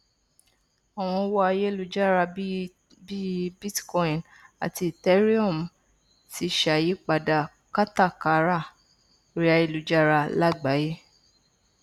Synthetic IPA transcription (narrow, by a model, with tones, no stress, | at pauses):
a˨w̃ɔ̃˧˦wɔ˦a˧je˦lu˧d͡ʒa˦ɾa˧ | bi˦bi˦tkɔ̃˧˦ĩ˨n | a̰˨ti˧i˨tɛ˦ɾi˦ɔ˦˨m˨ | ti˧ʃa˨ji˦k͡pa˨da˨ | ka˦ta˦˨ka˨˧ɾa˦˨ | ɾi˦a˧je˦˨lu˨d͡ʒa˦ɾa˧la˦˨ɡ͡ba˨˦je˦